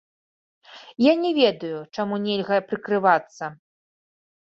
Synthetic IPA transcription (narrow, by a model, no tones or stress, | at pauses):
janʲɛvʲɛd̪ɐjut͡ʂamunʲɛlʲɣɐpɾɨkɾɨvat̪sːɐ